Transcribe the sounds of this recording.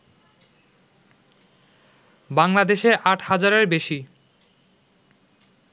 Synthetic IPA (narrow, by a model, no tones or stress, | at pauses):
baŋlad̪eʃeʔaʈʰhad͡ʑaɾeɾbeʃi